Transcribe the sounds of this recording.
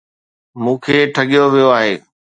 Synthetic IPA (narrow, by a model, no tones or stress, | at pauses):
mũːkʰeːʈʰɐɠijoʋijoaːɦeː